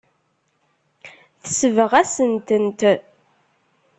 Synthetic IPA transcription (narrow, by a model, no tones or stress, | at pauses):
θəsəvəʁæsənt̪ənt̪